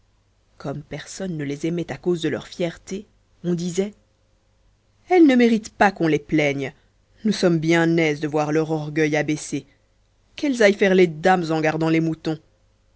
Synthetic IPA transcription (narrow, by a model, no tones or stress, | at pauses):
kɔmpɛʁsɔnːəlezɛmɛt̪akozd̪əlœ̰ʁfjɛʁt̪e | ɔ̃d̪izɛ | ɛlnəmeʁit̪pakɔ̃leplɛɲ | nusɔmbjɛ̃nɛzd̪əvwaʁlœʁɔʁɡœjabɛse | kɛlzajfɛʁled̪amzɑ̃ɡaʁd̪ɑ̃lemut̪ɔ̃